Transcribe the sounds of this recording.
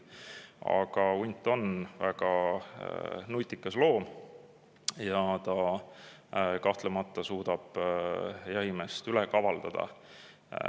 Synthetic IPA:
ɑ̰ɡ̥ɑunt̪ːˑo̞nvæɡ̥ɑ | nujt̪ːˑikːɑslo̞ːm | jɑt̪ɑ | kɑht̪lemɑt̪ːˑɑsuːd̪̥ɑb̥ | jɑhimest̪ylɛkɑvɑld̪̥ɑd̪̥ɑ̰

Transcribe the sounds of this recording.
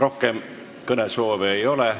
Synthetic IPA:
ro̞hkem | kɤnesoːveejo̞le

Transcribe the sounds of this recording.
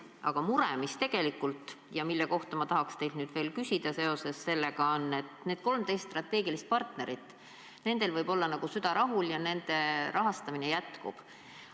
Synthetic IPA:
ʔɑ̰ɡ̥ɑmuɾḛmist̪e̞ɡ̥e̞likːˑult̪ˑ | jɑmilːeko̞ht̪ɑmɑt̪ɑɦɑkst̪e̞jlnyːd̪̥ve̞ːlkysʲid̪̥ɑse̞o̞se̞sːe̞lːeɡ̥ɑonːe̞t̪ne̞ːd̪̥ko̞lmt̪e̞jst̪ːt̪ːrɑt̪ːˑe̞ːɡ̥ilist̪̚pɑrt̪ne̞ɾit̪ːˑ | ne̞nd̪̥e̞lvɤjb̥o̞lːɑnɑɡ̥usyd̪̥ɑɾɑɦuljɑne̞nd̪̥e̞ɾʔɑɦɑst̪ɑminejæt̪kṵb̥

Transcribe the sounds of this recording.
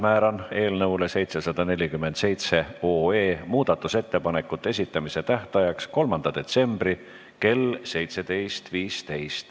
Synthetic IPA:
mæːɾɑne̞ːlnɤwle̞se̞jt̪se̞sɑd̪̥ɑne̞lʲikymːe̞nd̪se̞jt̪se̞oːe̞ːmuːd̪̥ɑt̪ːˑuse̞t̪ːe̞pɑnekːˑut̪ːˑes̬ʲit̪ːˑɑmise̞t̪æht̪ɑjɑksko̞lmɑnd̪̥ɑd̪̥e̞t̪se̞mbɾi | ke̞lse̞jt̪se̞d̪̥e̞jst̪viːst̪e̞jst̪

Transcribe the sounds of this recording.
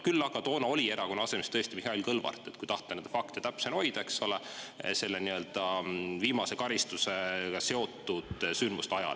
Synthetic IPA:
kylːɑɡ̥ɑt̪o̞ːnɑo̞lʲie̞ɾɑkonɑɑse̞mest̪ɤest̪imihɑilʲkɤlvɑ̰rt̪ːˑe̞t̪kujt̪ɑht̪ːˑenend̪ɑfɑkt̪et̪æpseno̞jd̪̥ɑe̞kso̞le | se̞lːeniø̞ld̪̥ɑviːmɑse̞kɑɾist̪useɡɑse̞o̞t̪ːˑud̪̥synd̪must̪ɑjɑ̰l

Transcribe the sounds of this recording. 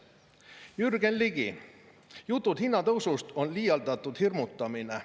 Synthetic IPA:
jyrɡenliɡi | jut̪ːˑut̪hinːɑt̪osust̪onliːjɑlt̪ɑt̪ːut̪hirmut̪ːɑmine

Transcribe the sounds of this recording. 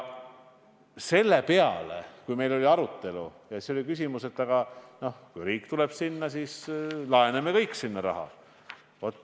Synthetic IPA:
se̞lːe̞pe̞ɑ̰lḛkujme̞jlo̞lʲiɑɾut̪ːˑe̞lu | jɑseo̞lʲikys̬ʲimuse̞t̪ːˑɑɡ̥ɑno̞hkujɾiːkːt̪ule̞b̥sinːɑsiːslɑenemekɤjkːˑsinːɑɾɑ̰ɦɑ̰ | vot̪ːˑ

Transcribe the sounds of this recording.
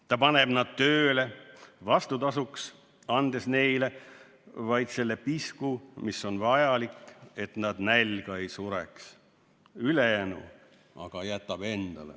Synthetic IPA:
t̪ɑpɑne̞b̥nɑd̪̥̚t̪ø̞ːle̞vɑst̪ut̪ɑsuks | ɑnd̪̥e̞sne̞jle̞ | vɑjd̪se̞lːe̞piskumisːo̞nvɑjɑlikːe̞t̪nɑd̪nælʲɡ̥ɑe̞jsuɾe̞̰ks | ylejænṵ | ɑ̰ɡ̥ɑjæt̪ːˑɑb̥e̞nd̪̥ɑlḛ

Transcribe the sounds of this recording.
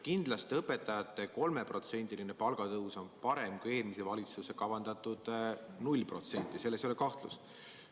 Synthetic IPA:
kind̪̥lɑst̪ɤpːe̞t̪ːˑɑjɑt̪ːˑe̞ko̞lme̞pro̞t̪se̞nʲd̪̥iline̞pɑlɡ̥ɑt̪ɤuso̞npɑɾe̞mkueːlmisevɑlʲit̪suse̞kɑvɑnd̪̥ɑt̪ːˑud̪̥nulʲːpro̞t̪se̞nʲt̪ʲːˑise̞lːesolekɑht̪lṵs

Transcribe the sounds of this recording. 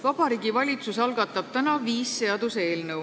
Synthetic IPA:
vɑb̥ɑɾiːɡ̥ivɑlʲit̪susɑlɡ̥ɑt̪ːˑɑb̥̚t̪ænɑviːsːe̞ɑd̪̥use̞ːlnɤw

